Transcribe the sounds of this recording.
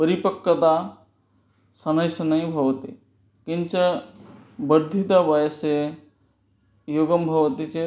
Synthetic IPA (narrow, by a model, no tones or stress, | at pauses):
pəɾipəkːət̪a | sɐnɐjsnɐɦĩbʱɐʋt̪i | kɪnt͡ʃɐ | bəɾd̪ʱit̪abajse | joɡəmbʱɐʋt̪it͡ʃe